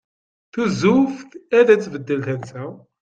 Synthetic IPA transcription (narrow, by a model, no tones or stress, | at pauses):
θuzufθæðæt͡sːvəd̪ːəlt̪ænsæ